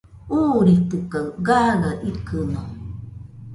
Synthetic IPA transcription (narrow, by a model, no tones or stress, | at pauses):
uːɾit̪ɨkaɡaːɡaʔikɯno